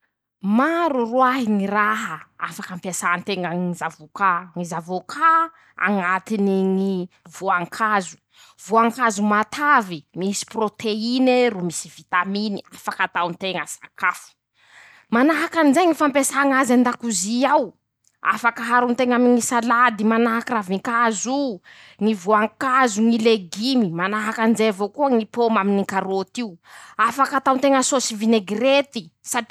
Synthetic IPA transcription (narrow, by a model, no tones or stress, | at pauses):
maɾuruaɦiŋiraɦəa̰fakampesaant̪eŋəŋizavukaŋizavokʰa | a̰ŋat̪iniŋi | vuaŋkʰazu̥ | vuaŋkazumat̪ʰavimisi̥prot̪ʰeinerumisivit̪aminiafakat̪awnt̪eŋəsa̰kafu̥ | manaɦakanizeŋifampesaŋazand̪akuziaw | a̰fakaɦaɾunt̪eŋamiŋisalad̪imanaɦakaɾaviŋkazu | ŋivuaŋkazuŋileɡimimanaɦakanizeavokuəŋipomaminiŋkaɾot̪iuafakat̪awnt̪eŋəsosivineɡret̪isadi